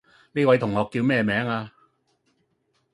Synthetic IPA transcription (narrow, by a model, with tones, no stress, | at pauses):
niː˥wɐ˨˥jt̪ʰʊ˨˩ŋhɔː˨˧kːiː˧wmɛː˥˧mɛː˨˥ŋaː˧